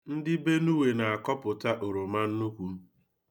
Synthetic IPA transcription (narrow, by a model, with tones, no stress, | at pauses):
n̩˦dɪ˦be˦nu˦we˨na˨a˨kɔ˦pʊ˨ta˦ʔo˨ɾo˨ma˦n̩˦nu˦kʷu˨˦